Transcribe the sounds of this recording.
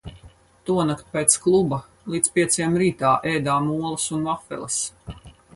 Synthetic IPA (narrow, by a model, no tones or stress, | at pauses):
t̪uɔnakt̪̚pɛːt̪sklˠubɐ | lˠiːt̪spʲiɛt̪sjɛmɾiːt̪aːʔɛjd̪aːmuɔlˠɐsunvafɛ̰lˠə̰s